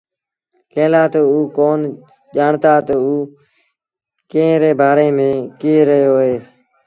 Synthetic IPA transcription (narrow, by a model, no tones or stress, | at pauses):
keːlaːt̪ouːkoːn | ʄaːɳt̪aːt̪əuː | kẽːɾeːbaːɾeːmẽːkieɾəɦjoːɦeː